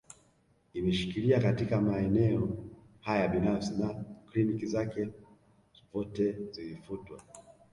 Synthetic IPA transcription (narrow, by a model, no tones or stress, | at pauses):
imɛʃi̥kiliakatikamaɛnɛɔ | hajaɓinafsinaklinikizakɛ | vɔtɛzilifutwa